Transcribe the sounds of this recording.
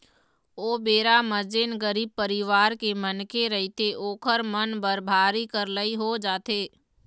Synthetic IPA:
oːbeːɾaməd͡ʒenɡəɾiːb̚pəɾiʋaːɾkemənkeɾɐɦit̪ʰeʔoːkʰəɾmənbəɾbʱaːɾikəɾləiɦod͡ʒaːt̪eː

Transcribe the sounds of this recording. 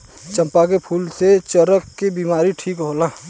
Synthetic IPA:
t͡ʃə̃mpak̬epʰuːlset͡ʃəɾəkːebimaːɾiʈʰiːkɦoːla

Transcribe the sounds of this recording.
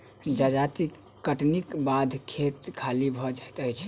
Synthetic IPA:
d͡ʒəd͡ʒat̪ik | kːəʈnikbad̪ʱkʰet̪kʰalibʱɔd͡ʒat̪əjt͡ʃʰ

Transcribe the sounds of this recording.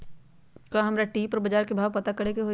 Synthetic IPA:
kaɦɐmɾaʈiːpɐɾbɐd͡ʒaːɾkebʱaːʋpɐt̪akɐɽekeɦo

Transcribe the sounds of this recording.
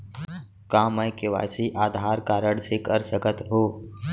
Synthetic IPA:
kãːməjkeʋa̰ːsiʔaːd̪ʱaːɾkaːɾəɽsɪkəɾsəkət̪ɦoː

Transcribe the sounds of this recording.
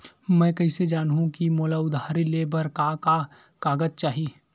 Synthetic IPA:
mɛ̃ːkɐised͡ʒaːnɦũkimoːlaʊd̪ʱaːɾileːbəɾkaka | kaːɡəd͡ʒt͡ʃaːɦi

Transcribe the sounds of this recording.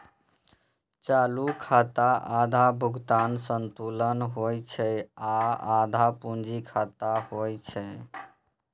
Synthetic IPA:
t͡ʃalukʰat̪aʔad̪ʱabʱuɡt̪ansənt̪ulənɦojt͡ʃʰɛaad̪ʱapund͡ʒikʰat̪ahojt͡ʃʰɛ

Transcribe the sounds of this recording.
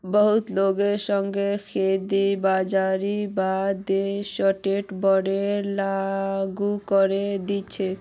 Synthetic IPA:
bɔɦut̪loɡeɾʃɔŋɡekʰed̪ibad͡ʑaɾibad̪eʃɔʈeʈbɔɖelaɡukoɾed̪iːɕʰe

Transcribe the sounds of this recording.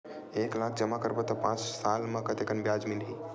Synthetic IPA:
eklakʰd͡ʒəmakəɾbot̪ɔpãt͡ʃsalmãkət̪ekənbjad͡ʒmilɦi

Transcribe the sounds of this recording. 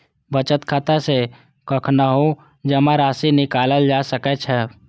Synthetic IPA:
bət͡ʃət̪kʰaːt̪ase | kəkʰnaɦo | d͡ʒəmãɾaːsinɪkaːləld͡ʒaːsəkɛt͡ʃʰɛ

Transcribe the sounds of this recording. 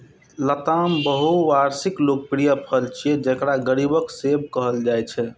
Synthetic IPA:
lət̪ambəɦuʋaɾsiklok̚pɾijəpʰəlt͡ʃʰiɛd͡ʒəkɾaɡəɾibəksebkəɦəld͡ʒajt͡ʃʰɛ

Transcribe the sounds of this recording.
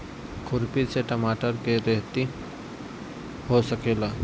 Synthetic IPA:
kʰʊɾpiseʈəmaːʈəɾkeɾeɦt̪i | ɦosəkeːlaː

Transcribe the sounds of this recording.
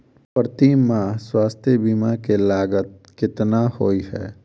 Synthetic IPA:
pɾət̪imãswaːst̪ʰjəbiːmakelaːɡət̪̚kɪt̪nahoːiɦɛ̰ː

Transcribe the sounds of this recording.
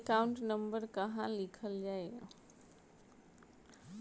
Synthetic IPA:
kaʊ̃ɳʈnɐ̃mbəɾkɐɦãlɪkʰəld͡ʒaːe

